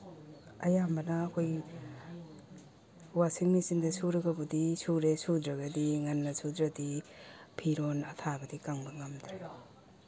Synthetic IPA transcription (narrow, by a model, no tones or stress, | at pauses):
ɐjambɐnaːkʰoj | wasiŋmisindɐsuɾaɡabudisuɾesud̪ɾaɡadiŋanːɐsud̪ɾadipʰiɾonatʰabɐdikaŋbɐŋamd̪ɾajo